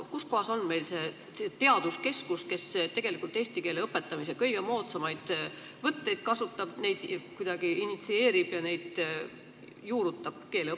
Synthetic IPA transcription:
kusko̞ɦɑso̞nːme̞jlse̞ | set̪e̞ɑd̪̥uske̞skuske̞st̪e̞ɡ̥e̞likult̪ːˑe̞ːst̪ike̞ːleɤpːˑe̞t̪ːˑɑmis̬ekɤjɡ̥e̞mo̞ːt̪sɑmɑjd̪̥ | vɤt̪ːe̞jd̪̥kɑsut̪ːˑɑb̥ne̞jd̪̥kujd̥̪ɑɡ̥iinit̪sie̞ːɾib̥jɑne̞jd̪̥ | juːɾut̪ːˑɑb̥̚ke̞ːle

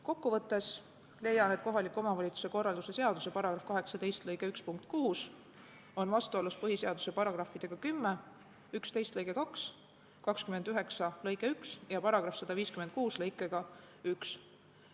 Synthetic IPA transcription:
ko̞kːuvɤt̪ːˑe̞s | le̞jːɑne̞t̪̚ko̞ɦɑlikːˑo̞mɑvɑlʲit̪su̥se̞ko̞rːɑld̪use̞se̞ɑd̪use̞pɑɾɑɡ̥rɑfkɑɦe̞ksɑt̪e̞jst̪lɤjɡe̞ykspuŋk̚t̪̚ˑkuːs | o̞nvɑst̪uoluspɤɦiseɑd̪̥u̥se̞pɑɾɑɡ̥rɑfːid̪̥e̞ɡ̥ɑkymːe | ykst̪e̞jst̪lɤjɡe̞kɑks | kɑkskymend̪̥yɦe̞ksɑlɤjɡe̞yksjɑpɑɾɑɡ̥ɾɑfsɑd̪̥ɑviːskyment̪̚kuːslɤjkːˑeɡ̥ɑ | yks

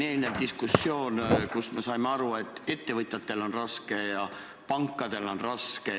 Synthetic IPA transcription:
ne̞ːlʲned̪̥iskusːjo̞ːnkusme̞sɑjmeɑɾue̞t̪ːˑe̞t̪ːe̞vɤt̪ʲˑjɑt̪ːˑe̞lo̞nrɑske̞jɑ | pɑŋkːˑɑd̪̥e̞lo̞nrɑske̞

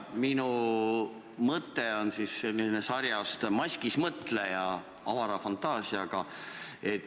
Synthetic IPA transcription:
minu | mɤt̪ːeo̞nsisːe̞lːinesɑrjɑst̪mɑsʲkismɤt̪ˑlejɑ | ɑvɑɾɑfɑnt̪ːˑɑːsiɑɡ̥ɑet̪ː

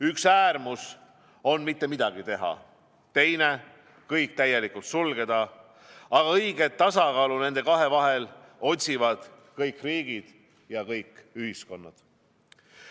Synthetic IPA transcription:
yksæːrmus | o̞nmit̪ːe̞mid̪̥ɑɡ̥it̪e̞ɦɑ̰ | t̪e̞jne̞ | kɤjk̚t̪æje̞likˑult̪sulɡ̥e̞d̪̥ɑ | ɑɡ̥ɑɤjɡ̥e̞t̪ːɑsɑkɑːlune̞nd̪e̞kɑɦe̞vɑɦe̞lo̞t̪ʲsʲivɑd̪̥ | kɤjkːˑriːɡ̥id̪̥ | jɑkɤjkːˑyhisko̞nːɑ̰d̪̥

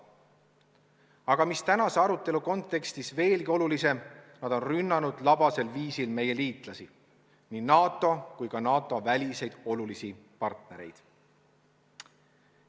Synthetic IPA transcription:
ɑɡ̥ɑmist̪ænɑse̞ɑɾut̪ːˑe̞luko̞nt̪ːˑe̞kst̪isve̞ːlɡio̞lulise̞mnɑd̪̥o̞nrynːɑnud̪̥lɑb̥ɑse̞lviːsilme̞je̞liːt̪ˑlɑsi | ninɑːt̪ːˑo̞kujkɑnɑːt̪ˑo̞vælʲise̞jd̪̥o̞lulisipɑrt̪ne̞ɾe̞̰jd̪̥

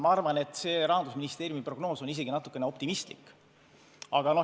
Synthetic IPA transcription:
mɑɑrvɑne̞t̪ːˑse̞ːɾɑɦɑnd̪̥usminist̪eːɾjumipro̞ɡ̥no̞ːso̞nis̬e̞ɡinɑt̪ːˑu̥kːene̞o̞p̚t̪imist̪lḭkː | ɑɡ̥ɑno̞

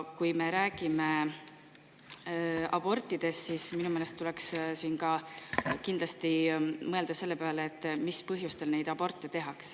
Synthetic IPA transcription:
kujme̞ɾæːɡ̥ime̞ | ɑ̰b̥o̞rt̪ːˑid̪̥e̞st̪sisminumelest̪ːulekssiːnkɑkind̪lɑst̪imɤeld̪̥ɑse̞lːepeɑleːt̪ːmispɤɦjust̪e̞lne̞jd̪ɑb̥o̞rt̪ːˑe̞t̪e̞ɦɑks

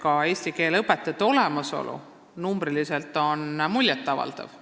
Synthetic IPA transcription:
kɑe̞ːsʲt̪ike̞ːlɤpːet̪ːˑɑt̪ːo̞lemɑso̞̰lʔṵ | numbɾiliselt̪ːˑo̞nmulʲjɑt̪ːˑɑvɑ̰ld̪̥ɑ̰v̥

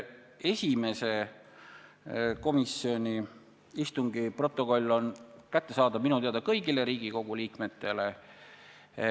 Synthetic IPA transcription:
e̞sʲime̞se̞ | ko̞misio̞nʲi | ist̪uŋɡ̥ipro̞t̪ːˑo̞ko̞lʲːo̞nkæt̪ːe̞sɑːd̪ɑminut̪eɑd̪ɑkɤ̞jɡile̞ɾiːɡ̥iko̞ɡ̥uliːkme̞t̪ːˑe̞le̞

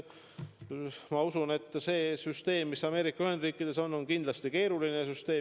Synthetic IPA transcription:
mɑusune̞t̪ːˑse̞ːsyst̪e̞ːmːisɑme̞ːɾikːɑyhe̞nd̪riːkːˑid̪̥e̞so̞nːo̞nkind̪lɑst̪ike̞ːɾulinesyst̪e̞ː

